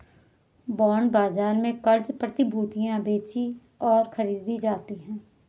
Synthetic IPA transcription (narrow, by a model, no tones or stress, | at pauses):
bɔːɳbaːzaːɾmẽkɐɾd͡ʒpɾət̪ɪbʱuːt̪ijãbeːt͡ʃi | ɔːɾxʰɐɾiːd̪id͡ʒaːt̪iɦɛ̃ː